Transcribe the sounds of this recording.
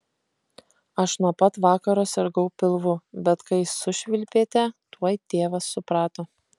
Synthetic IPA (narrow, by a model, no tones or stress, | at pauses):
ɐʃnuɔpɐt̪ʋɑːkɐɾoːsʲɛɾɡɐʊpʲɪlˠʋʊbʲɛt̪kɐɪsʊʃʲʋʲɪlʲpʲeːt̪ʲɛt̪uɔjt̪ʲeːʋɐsːʊpɾɑːt̪o